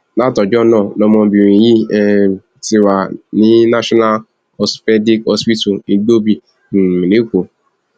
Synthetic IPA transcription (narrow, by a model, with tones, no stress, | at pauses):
la˦tɔ˨d͡ʒɔ˦nɔ̃˦˨nɔ̃˧mɔ̃˧bi˨ɾ̃ĩ˨ji˦ɛ˧˨ | ti˧ɾa˨nĩ˨˦na˦ʃɔ˦na˦l | ɔ˧sfɛ˦di˦kɔ˧spi˦tu˨nĩ˧do˦bi˦˨ | mĩ˨le˨˦ko˨